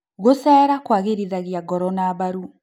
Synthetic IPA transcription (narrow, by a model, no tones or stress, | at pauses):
ɣosɛːɾakwaɣeɾiðaɣiaɡɔɾɔnaβaɾu